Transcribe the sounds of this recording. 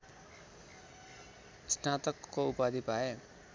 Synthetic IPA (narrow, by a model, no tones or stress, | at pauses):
snat̪ʌkːoupad̪ipae